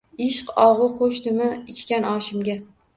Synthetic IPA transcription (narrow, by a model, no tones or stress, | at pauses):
ɪʃqɒʁʊqʰoʃt̪ɪmɪɪt͡ʃkʲanɒʃɪmɡʲa